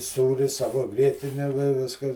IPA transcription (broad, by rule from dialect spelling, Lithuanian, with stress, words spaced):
ˈsuːrʲɪ ˈsɑːʋoː ˈɡrʲiɛtʲɪnʲɛ ʋʲɪ ˈʋʲɪskɐs